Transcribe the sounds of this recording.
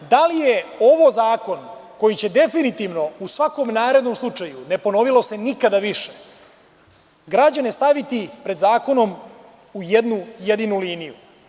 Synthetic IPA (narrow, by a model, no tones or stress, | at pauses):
d̪alijeo̞ʋozaːko̞nko̞jit͡ɕe̞d̪e̞finit̪iʋno̞usʋako̞mnaːɾe̞d̪no̞mslˠut͡ʂajune̞po̞no̞ʋilˠo̞se̞nikad̪aʋiʃe̥ | ɡɾad͡ʑanest̪aʋit̪ipɾe̞d̪zaːko̞no̞m | ujed̪nuje̞d̪inuliːniju